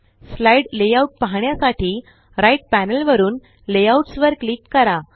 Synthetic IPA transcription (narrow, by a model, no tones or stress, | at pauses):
slaiɽlejauʈ̚paɦɳjasaʈʰiː | ɾaiʈ̚pænəlʋəɾuːn | lejauʈsʋəɾklikːəɾa